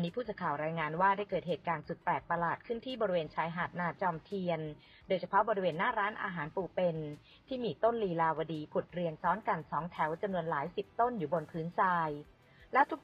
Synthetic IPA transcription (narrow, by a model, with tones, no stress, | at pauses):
ʔa˧nːiː˦˥pʰu˥˩skʰaː˨˩wɾaː˧jŋaː˧nwaː˥˩da˥˩jkɤː˨˩t̪̚heː˨˩t̪̚kaː˧nsu˨˩t̪̚plɛː˨˩t̪̚pa˧laː˨˩t̪̚kʰɯ˥˩nt̪ʰiː˥˩bɔː˧ɾi˦weː˧nt͡ɕʰaː˧jɦaː˨˩t̪̚naː˧t͡ɕɔː˧mt̪ʰi˧ən | doː˧jt͡ɕʰa˧pʰɔ˦˥bɔː˧ɾi˧weː˧nːaː˥˩ɾaː˦˥nʔa̰ː˧ɦaː˩˦npuː˨˩pe˧n | t̪ʰiː˥˩miː˧t̪o˥˩nliː˧laː˧wa˧diː˧˩pʰu˨˩t̪̚ɾi˧əŋsɔː˦˥nka˧nsɔː˨˩˦ŋt̪ʰɛ˩˦wt͡ɕa˧mnu˧ənlaː˩˦jsi˨˩p̚t̪o˥˩njuː˨˩bo˧npʰɯː˦˥nsaː˧j | lɛː˦˥wt̪ʰu˦˥k